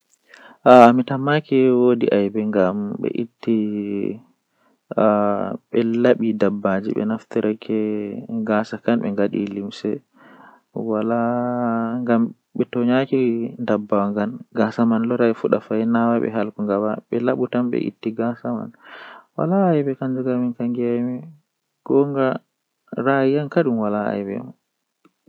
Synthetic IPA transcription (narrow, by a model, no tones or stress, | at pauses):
ʔaːmitamakɛwodiʔajbɛŋɡambɛ̰ʔitːi | ɓɛlaɓidabːad͡ʒḭɓɛ̰naft̪iɾɛkʰɛɡasakanɓɛ̰ŋɡaɗḭlimsɛ | wala | ŋɡam | ɓɛtɔɲakindabːawaŋɡanɡasamanlɔɾaifuɗafajnawaɓɛ̰ɦalkuŋɡabaɓɛlaɓutamɓɛ̰ʔḭtːiɡasama̰nwa̰laːjbɛkand͡ʒuɡaminkaŋɡmɛ | ɡ̥ɔŋɡa | ɾajijankaɗumwalaa̰jbɛ̰ma